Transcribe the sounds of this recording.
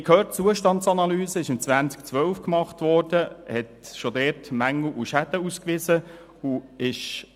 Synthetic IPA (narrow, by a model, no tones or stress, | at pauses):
ikhøːtt͡suəʃtɑntt͡sɑnɑlyːzəɪʃɪmt͡sʋænt͡sk̚t͡sʋœlfkmɑχtʋɔɾd̥əhɛtʃodɛːtmæŋl̩ʔuʃæd̪əuskʋɪzə | uɪʃ